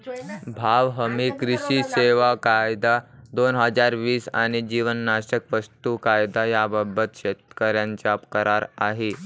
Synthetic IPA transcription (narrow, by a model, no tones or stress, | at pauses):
bʱaʋɦəmikɾiɕiseʋakajd̪ad̪onɦəd͡zaɾʋiːsa̰ɽ̃id͡ʑiʋənːaɕəkʋəst̪ukajd̪ajababət̪ɕet̪kəɾjãɲt͡ɕapkəɾaɾaɦe